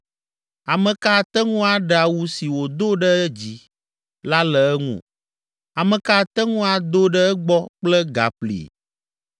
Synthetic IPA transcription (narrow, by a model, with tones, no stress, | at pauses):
a˨mɛ̃˨ka˦˨t̪ɛ˦ŋũ˦a˨ɖɛ˨a˨wu˦si˨wo˨d̪o˦ɖɛ˦ɛ˦d͡ʑi˨ | la˦lɛ˨ɛ˦ŋṵ̃˦˨ | a˨mɛ˨ka˦˨t̪ɛ˦ŋũ˦a˨d̪o˦ɖɛ˦ɛ˦ɡ͡bɔ˦k͡plɛ˦ɡa̰˨ɸlḭ˨